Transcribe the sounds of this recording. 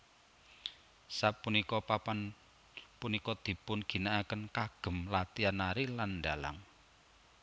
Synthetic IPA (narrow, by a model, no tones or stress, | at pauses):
sapunikɔpapan | punikɔd̪̥i̤pʊnɡ̥i̤naʔakənkaɡ̥ə̤mlat̪ianaɾilanɖa̤la̰ŋ